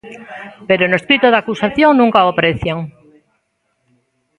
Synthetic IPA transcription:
peɾonoeskɾit̪oðakusaθjoŋnũŋkaopɾeθjaŋ

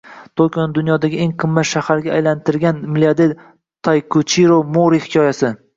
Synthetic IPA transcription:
t̪ʰokʲonɪd̪ʊnjɒd̪aɡʲɪʔeŋqʰɨmːat̪ʃahaɾɡʲaːjlant̪ʰɪɾɡʲanmɪliad̪eɾ | t̪ʰajkʰʊt͡ʃʰiɾomoɾihɪ̥kʲʰɒjasɪ

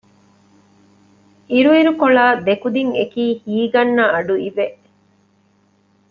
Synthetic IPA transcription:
iɾuiɾukoɭaːd̪ekud̪iŋekiːhiːɡɐnːɐɐɖuiʋeʔ

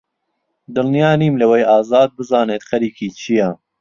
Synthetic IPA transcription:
d̪ɨlnijaːniːmlɐwejaːzɑːd̪̚bɨzɑːneːt̪xɐɾiːkʰiːt͡ʃʰijɐ

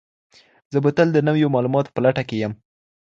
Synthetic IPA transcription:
zəbət̪əld̪ənawjomɑlumɑt̪o̥pəlaʈakejəm

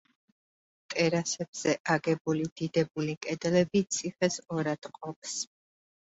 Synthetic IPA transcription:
t̪ʼɛɾasɛbz̥ɛʔaɡɛbulid̪̥id̪ɛbulikʼɛd̪ɛlɛbit̪sʰiχɛsɔɾad̪̥qʼɔp̚s

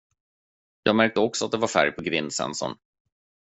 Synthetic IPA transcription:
jɑ̰ːɡmæɾk̚t̪əɔksɔat̪̚d̪ɛvaɾfæ̰ɾjpʰɔɡvɪnːsɛ̰nsɔ̰n

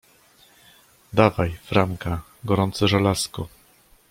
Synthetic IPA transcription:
d̪avajfɾamka | ɡɔɾɔnt̪sɘʐalaskɔ

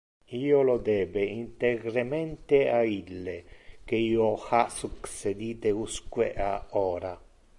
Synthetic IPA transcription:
iːolod̪ɛːbeint̪eɡɾemɛnt̪eailːek̟eiːoxasuksed̪iːt̪euskwḛʔaɔːɾa

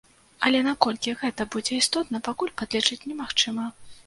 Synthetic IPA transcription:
ɐlʲɛnakɔlʲkʲiɣɛt̪ɐbud͡zʲɛist̪ɔt̪nɐpakulʲpad̪lʲɛt͡ʂɨt͡sʲnʲɛmaxt͡ʂɨmɐ

